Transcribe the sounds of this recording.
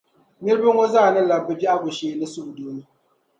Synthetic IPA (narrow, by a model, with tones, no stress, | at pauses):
ɲɪ˦ɾbɨ˦ŋɔ˦zaː˦˨nɨ˦la˨bɨ˦bi˦ʔa˦bʊ˨ʃeː˦˨˦nɨ˦sʊ˦bu˨doː˦nɨ˦